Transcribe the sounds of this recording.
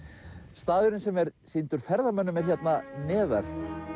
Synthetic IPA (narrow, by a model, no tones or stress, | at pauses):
st̪aːðʏɾɪnsɛmɛɾsint̪ʏɾ̥fɛɾðamœnːʏmɛɾ̥çɛt̪nanɛːða̰ɾ̥